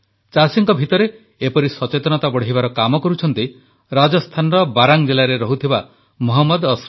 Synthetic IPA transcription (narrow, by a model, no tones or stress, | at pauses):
t͡ʃasiŋkɔbʱit̪ɔɾe | epɔɾisɔt͡ʃet̪ɔnɔt̪abɔɽeɦibaɾɔkamɔkɔɾut͡ʃʰɔnt̪i | ɾad͡ʒɔst̪ʰanɔɾɔbaɾaŋd͡ʒelaɾeɾɔɦut̪ʰiba | mɔɦɔmːɔd̪ɔs